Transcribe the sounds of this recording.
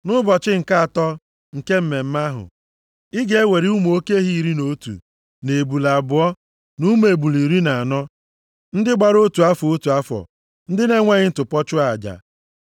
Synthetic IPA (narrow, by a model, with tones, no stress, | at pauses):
nʊ˦bɔ˨t͡ʃɪ˦ŋ̩˨ka˦a˨tɔ˦ | ŋ̩˨ke˦m̩˦me˨m̩˦ma˦ɦʊ̰˨ | ɪ˦ɡe˨e˦we˨ɾi˦u˦m˨o˦ke˦ɦi˦˨ɾi˦no˦tṵ˨ | ne˨bu˨la˨bʊ˨ɔ˦ | nu˦me˨bu˨li˨ɾi˦na˨a˨nɔ˦ | n̩˦dɪ˦ɡ͡ba˨ɾo˦tu˨a˦fɔ˨o˦tu˨a˦fɔ̰˨ | n̩˦dɪ˦ne˦ŋʷa˦ɲɪ˦n̩˦tʊ˨pɔ˦t͡ʃʊ˦a˨d͡ʒa̰˨